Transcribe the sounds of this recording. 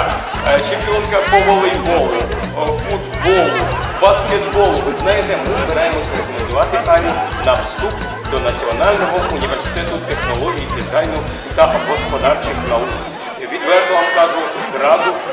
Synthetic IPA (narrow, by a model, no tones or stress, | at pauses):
t͡ʃɪmpʲjɔnkɐpɔʋɔlˠɪjbɔlˠʊ | fud̪bɔlˠʊbɐsket̪bɔlˠʊʋɪznɑjet̪ɛmɪzbɪɾɑjemɔsʲɾɔkɔmend̪ʊʋɑt̪ɪt̪ɑnʲʊnɐwst̪up | d̪ɔnɐt͡sʲiɔnɑlʲnɔɦɔʔunʲiʋersɪ̥t̪ɛt̪ʊt̪exnɔlˠɔɦʲijik̪ezɑjnʊ | t̪ɐɦɔspɔd̪ɑrt͡ʃɪxnɐuk | ʋʲid̪ʋɛrt̪ɔʋɑmkɑʒʊzrɑzʊ